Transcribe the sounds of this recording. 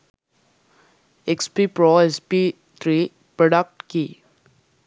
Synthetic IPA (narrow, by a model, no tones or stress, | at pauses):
ekspipɾɔːespi | t̪ʰɾiː | pɾɔɖək̚ʈki